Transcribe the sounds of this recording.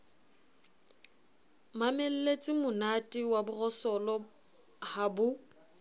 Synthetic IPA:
mamel̩let͡sʼɪmʊnatʼɪwabʊrɔsɔlɔ | habʊ

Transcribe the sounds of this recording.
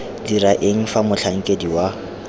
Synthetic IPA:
diraʔeŋ̩famʊɬʰaŋ̩kʼediwa

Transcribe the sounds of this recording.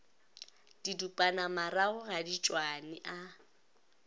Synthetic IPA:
d̥idupʼanamaraʊɣadit͡ʃʼwanɪʔa

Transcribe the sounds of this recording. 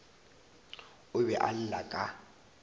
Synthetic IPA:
ʊbɛʔal̩lakʼa

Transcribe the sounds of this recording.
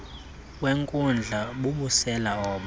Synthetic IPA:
weŋkʼund͡ɮʱaɓuɓusɛlaɔːɓa

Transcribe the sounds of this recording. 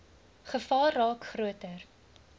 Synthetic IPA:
χəfɑːrrɑːkχruətər

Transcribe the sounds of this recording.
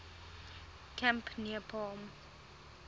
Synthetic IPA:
kʰɛ̃mpʰniəpʰɔm

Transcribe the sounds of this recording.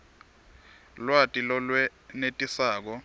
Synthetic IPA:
lwatʼilɔlwɛnetʼisaːk̬ɔ

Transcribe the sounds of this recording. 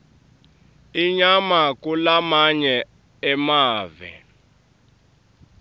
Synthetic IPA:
iɲamak̬ʼulamaɲɛ | ɛmaːvɛ̰

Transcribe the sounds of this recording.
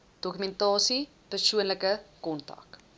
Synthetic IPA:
d̥okymɛntɑːsi | pərsuənləkəkɔntɐ̰k

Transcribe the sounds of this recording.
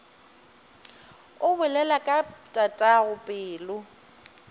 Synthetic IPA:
ʊbʊlɛlakʼatʼatʼaɣʊpʼɪːlʊ

